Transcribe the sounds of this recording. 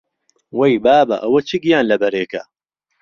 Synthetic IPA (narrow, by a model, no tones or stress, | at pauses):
wɐjbaːbɐ̰ʔɐwɐt͡ʃʰiɡijaːnlɐbɐɾeːkɐ